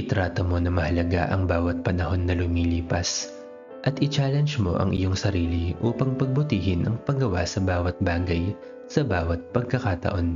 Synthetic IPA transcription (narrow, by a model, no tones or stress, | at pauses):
ʔɪt̪ɾaːt̪omo̞nɐmɐhɐlɐɡa̰ʔɐŋbaːwɐt̪̚pɐnɐho̞nːɐlʊmiːliːpɐs | ʔɐt̪ʔɪt͡ʃaːlɛnd͡ʒmo̞̰ʔɐ̰ŋʔɪ̰jo̞ŋsɐɾiːliʔuːpɐŋpɐɡ̚bʊt̪iːhɪnʔɐŋpɐɡɐwa̰sɐbaːwɐt̪̚baːɡɐj | sɐbaːwɐt̪̚pɐɡ̚kɐkat̪ɐ̰ʔo̞n